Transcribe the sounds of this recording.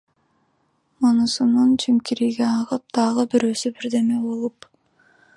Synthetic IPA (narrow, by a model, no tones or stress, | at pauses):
monusununt͡ʃʰimkiɾiɡeɑʁɯp̚d̪̥ɑʁɯbiɾøːsybiɾd̪e̞mebolˠup